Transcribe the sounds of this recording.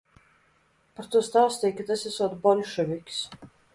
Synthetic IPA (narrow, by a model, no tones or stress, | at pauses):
paɾt̪uɔst̪awst̪ʲijkʲat̪asisɔːt̪bɔlʲʃɛvʲikʲs